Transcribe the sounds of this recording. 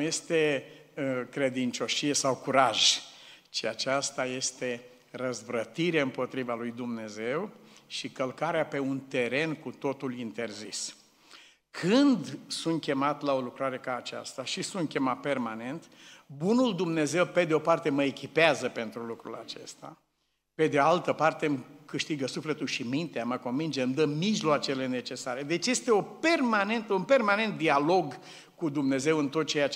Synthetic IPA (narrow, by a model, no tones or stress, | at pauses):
je̞st̪e | kɾe̞d̪int͡ʃo̞ʃije̞sawkuɾaʒt͡ʃiat͡ʃast̪aje̞st̪e̞ | rəzvɾət̪iɾeɨmpo̞t̪ɾivalujd̪umne̞ze̞wʃikəlkaɾeape̞unt̪e̞ɾe̞nkut̪o̞t̪ulint̪e̞rzis | kʰɨnd̪sunt̪̚kʲe̞mat̪lao̞lukɾaɾe̞kaːt͡ʃa̰st̪aʃisunt̪̚kʲe̞mat̪̚pe̞rmane̞nt̪bunuld̪umne̞ze̞wpe̞d̪eo̞part̪e̞məekʲipeazəpe̞nt̪ɾulukɾṵla̰t͡ʃe̞̰st̪a̰ | pe̞d̪ealt̪əpart̪e̞mkɨʃt̪iɡəsufle̞t̪ulʃimint̪eaməko̞nvind͡ʒe̞md̪əmiʒloat͡ʃe̞le̞ne̞t͡ʃe̞saɾe̞d̪e̞t͡ʃje̞st̪e̞o̞pe̞rmane̞nt̪əunpe̞rmane̞nt̪̚d̪ialo̞ɡ | kud̪umne̞ze̞wɨnt̪o̞t̪̚t͡ʃe̞ja